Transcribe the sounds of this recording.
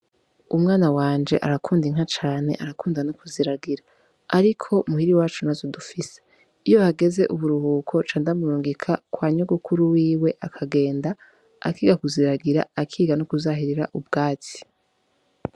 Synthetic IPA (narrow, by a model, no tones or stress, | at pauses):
umŋaːnawaːnd͡ʒe̞̰ʔaɾakʰuːndiŋ̥ɦat͡ʃaːne̞̰ʔaɾakuːndanokuziɾaɡiɾaː | ɾikʰo̞muhiɾiwaːt͡ʃunazodufise̥ | ijo̞haɡe̞ze̞ʔuβuɾuhuːkʰo̞t͡ʃaːndamuɾuːŋɡikʰakwaːɲoɡukʰuɾuwiːwe̞ʔakʰaɡe̞ːnda | a̰kiːɡakuziɾaɡiɾa̰akʰiːɡanokuzaɦiɾiɾa̰ʔub̚ɡ̥aːt͡si̥